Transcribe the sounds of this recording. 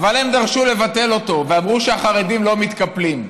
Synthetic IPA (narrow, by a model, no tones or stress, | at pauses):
valhe̞md̪aʁʃule̞vat̪e̞lo̞to̞veamʁuʃeaχaʁe̞dimlo̞mit̪kaplim